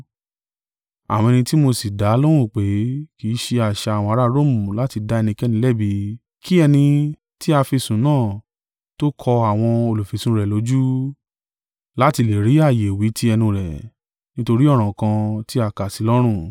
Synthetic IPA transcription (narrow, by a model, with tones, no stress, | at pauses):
a̰˨wɔ̃˧ɛ˧nĩ˧ti˦mo˧si˨da˨˦lo˦ɾ̃ũ˦˨k͡pe˨˦kiː˨˦ʃe˧a˨ʃa˧˨wɔ̃˧a˧˦ɾa˦ɾo˦˨mũ˨la˨˦ti˧da˧˦ɛ˧nĩ˧kɛ˦nĩ˧˦lɛ˦˨bi˧˦ | kʰi˦ɛ˧nĩ˧ | ti˦a˧fi˧sũ˨˦nãː˦˨ | to˦kʰɔ˧a˨w̃ɔ̃˧o˧˨lo˨fi˨sũ˨˦ɾɛ˨lo˨˦d͡ʒu˦ | la˦ti˧le˨ɾi˨˦a˦˨je˨wi˨˦tʰi˦ɛ˧nĩ˧ɾɛ˨ | nĩ˦to˧ɾi˦ɔ˦˨ɾ̃ã˨kã˧ti˦a˧˨ka˨si˨˦lɔ˦ɾ̃ũ˦˨